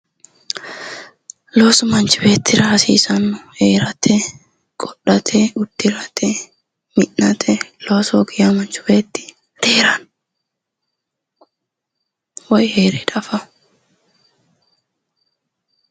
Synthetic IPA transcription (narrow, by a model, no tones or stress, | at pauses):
loːsmɐnt͡ʃʊbe̞ːt̪ːɪɾaːsḭːsɐnːʊheːɾɐt̪ʰɛ | kʼɔɗːɐt̪ʰɛʔʊd̪ːɪɾɐt̪ʰɛ | mɪʔːɐt̪ʰɛloːsɔɡɪjɐmɐnt͡ʃʊ̥beːt̪ːɪ̥ | d̪̥eːɾɐn | wɐjheːɾɛᶑɐfɐ